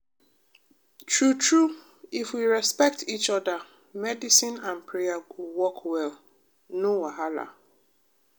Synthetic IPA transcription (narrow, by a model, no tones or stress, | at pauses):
tʰɹutʰɹu | ifwiɹɛspɛk̚tʰit͡ʃɔdə | mɛdisĩnãnpʰɹejaɡowɔkʰwɛl | nowaɦala̰